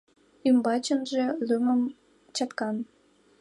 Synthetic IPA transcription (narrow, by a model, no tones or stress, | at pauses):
ymbɑt͡ɕənʒelyməm | t͡ɕɑt̪kɑn